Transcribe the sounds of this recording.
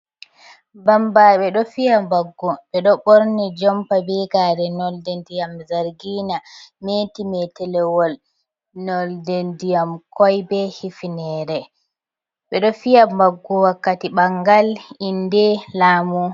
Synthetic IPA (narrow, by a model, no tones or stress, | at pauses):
bambaɓɛɗɔfijambaɡːɔɓɛɗɔɓoɾnid͡ʒɔmpabiɡaɾɛnɔldɛndijamzaɾɡiːnametimɛtɛlɛwɔl | nɔldɛndijamkɔjbɛhifinɛːɾɛ | ɓɛɗɔfijambaɡːɔwakːatiɓaŋɡalindɛlaːmu